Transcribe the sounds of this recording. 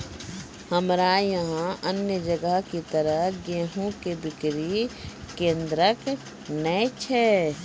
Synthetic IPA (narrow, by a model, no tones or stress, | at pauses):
həmɾajɐɦãʔənjəd͡ʒəɡəɦkit̪əɾəɦɡeːɦõkebɪkɾikẽːnd̪ɾək | nət͡ʃʰɛ